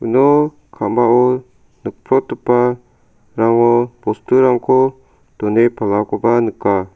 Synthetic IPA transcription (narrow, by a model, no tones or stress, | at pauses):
uno | kʰamao | nək̚pʰɾot̪upa | ɾaŋopost̪uɾaŋkʰo | t̪onepalakobanəka